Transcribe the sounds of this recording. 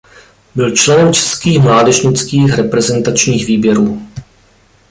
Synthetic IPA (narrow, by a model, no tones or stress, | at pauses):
bɪlt͡ʃlɛnɛmt͡ʃɛ̥skiːxmlaːdɛʒɲɪt͡skiːxɾɛpɾɛzɛnt̪at͡ʃɲiːxviːbjɛɾuː